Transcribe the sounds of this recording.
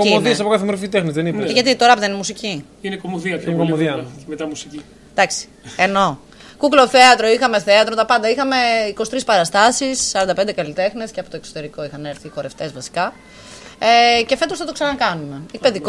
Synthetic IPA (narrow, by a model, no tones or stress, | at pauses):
komoðiɐsɐpokaθemeɾfit̪exnezðenipeʝɐt̪̬it̪oɾɐpðeinmusici | inekomoðiɐnkomoðiɐmet̪ɐmusici | d̪̥ɐksi̥ | eno̞ | kuklo̞θeɐt̪ɾo̞ixɐme̞θeɐt̪ɾot̪ɐpɐnd̪ɐixɐme̞ikosi̥t̪ɾispɐɾɐst̪ɐsisːɐɾɐnd̪ɐped̪ekɐlit̪e̞xnesceɐpot̪oeksot̪e̞ɾiko̞ixɐne̞ɾθiko̞ɾe̞ft̪e̞zvɐsi̥kɐ | ece̞fe̞t̪osθɐt̪oksɐnɐkɐnume̞ipeði